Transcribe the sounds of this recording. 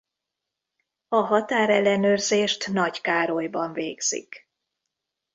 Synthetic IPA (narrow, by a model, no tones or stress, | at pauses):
ɒɦɒt̪aːɾɛlːɛnøːrzeːʃt̪nɒɟkaːɾojbɒɱveːɡz̥ḭk